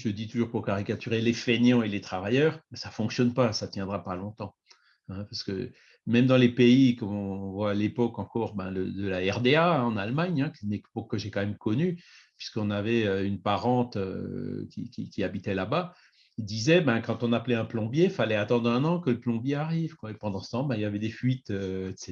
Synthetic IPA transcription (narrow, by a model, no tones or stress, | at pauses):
ʒələd̪it̪uʒuʁpuʁkaʁikat̪yʁelefenjɑ̃elet̪χavajœːʁmɛsafɔ̃ksjɔnpasat̪jɛ̃d̪ʁapalɔ̃t̪ɑ̃ | ɛ̃paʁsə̥kə̰ | mɛmd̪ɑ̃lepeikɔmɔ̃vwalepɔkɑ̃kɔʁbɛ̰̃lə̰d̪əlaɛʁd̪eãɑ̃nalmaɲɛ̃knepɔkːəʒekɑ̃mɛmkɔnypɥi̥skɔ̃navɛøynpaʁɑ̃t̪ø̰kʲḭkʲikʲiabit̪ɛlaba | ild̪izɛbɛ̃kɑ̃t̪ɔ̃naplɛɛ̃plɔ̃bjeifalɛat̪ɑ̃d̪ʁɛ̃nɑ̃kələplɔ̃bjeaʁivkwaepɑ̃d̪ɑ̃sə̥t̪ɑ̃bɛ̃iljavɛd̪efɥit̪øse